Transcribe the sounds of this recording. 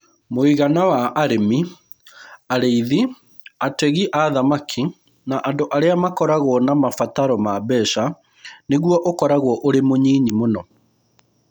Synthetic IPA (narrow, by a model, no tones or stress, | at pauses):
moiɣanawaʔːɾemi | aɾeiði | atɛɣiʔaðamakʰi | naʔandoʔaɾeamakɔɾaɣwɔnamafataɾɔmabɛʃa | neɣwɔʔokɔɾaɣwɔʔoɾemoɲiːɲimonɔ